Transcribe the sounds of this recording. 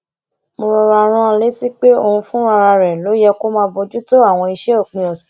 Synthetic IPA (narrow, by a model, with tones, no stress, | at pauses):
mo˧ɾɔ˧ɾa˧ɾ̃ã˦˧le˨˦ti˦k͡pe˦o˦˧hũ˧fũ˦ɾa˧ɾa˧ɾɛ˨lo˨˦jɛ˦ko˦mãː˧bɔ˧d͡ʒu˦to˦a˦˨w̃ɔ̃˧i˧ʃɛ˦o˦˨k͡pĩ˧˦ɔ˨sĩ̥˨˦